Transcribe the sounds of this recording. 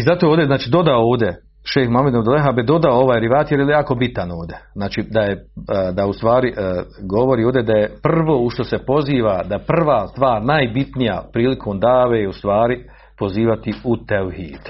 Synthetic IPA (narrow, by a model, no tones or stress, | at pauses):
izat̪oːoːd̪ʲeznaːt͡ʃiːd̪o̞d̪aooːʋd̪je | ʃeːxmamed̪od̪oleɦabed̪o̞d̪aoo̞ʋaːjɾiʋaːt̪jeɾjejejaːkobit̪anoːʋd̪ʲeznaːt͡ʃiːd̪ajed̪aust̪ʋaːɾiʔɡo̞ʋo̞ɾiːoːʋd̪ʲed̪ajepr̩ʋo̞ːuʃt̪o̞se̞po̞ziːʋad̪ajeprr̩ʋaːst̪ʋaːɾnajbit̪nija̰pɾiːlikʰo̞ːmd̪aːʋeːjust̪ʋaːɾi | po̞ziːʋat̪iut̪elhiːd̪̥